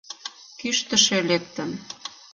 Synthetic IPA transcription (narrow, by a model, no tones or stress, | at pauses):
kyʃt̪ə̆ʃelek̚t̪ən